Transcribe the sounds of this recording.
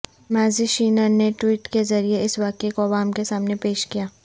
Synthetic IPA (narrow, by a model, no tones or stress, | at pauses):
mɛːziʃiːnəɾneʈwiːʈkezɐɾieɪsʋaːkekoɐʋaːmkesaːmnepeːʃkijaː